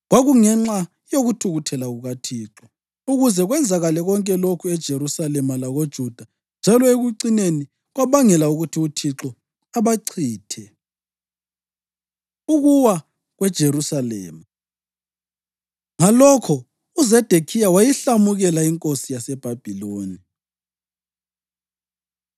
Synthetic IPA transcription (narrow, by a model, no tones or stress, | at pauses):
ɣwaɣuŋɛŋ͡ǁa | joɣutʰuɣutʰɛlaɣuɣatʰiːǁɔ | uɣuzɛɣwɛnd͡zʱaɣalɛɣɔŋkʼɛlokʰuɛd̥ʒ̥ʱerusalɛmalaɣod̥ʒ̥ʱud̥ʱa | nd͡ʒʱalɔeɣuǀineni | ɣwaβaŋɛlauɣutʰiutʰiǁɔ | aβaǀʰiːtʰɛ | uɣuwa | ɣwɛd̥ʒ̥ʱerusalɛ̰ːma | ŋalɔkʰɔ | uzɛd̥ʱekʰijawajiɬamuɣɛlaiŋkʼosijasɛb̥ʱab̥ʱiloːni